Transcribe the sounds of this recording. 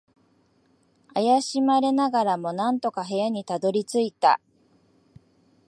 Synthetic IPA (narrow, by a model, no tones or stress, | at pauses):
ajaɕimaɾe̞naɡaɾamo̞nãnt̪o̞kaɦe̞jaɲ̟it̪ad̪o̞ɾʲit͡sɨit̪a̰